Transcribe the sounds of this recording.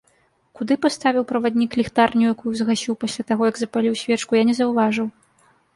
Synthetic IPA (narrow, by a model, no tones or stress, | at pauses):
kud̪ɨpast̪avʲiwpɾɐvad̪ʲnʲiklʲixt̪arnʲujakujuzɣasʲiwpasʲlʲat̪aɣɔjɐɡzɐpalʲiwsʲvʲɛt͡ʂkujanʲɛzɐwvaʐɨw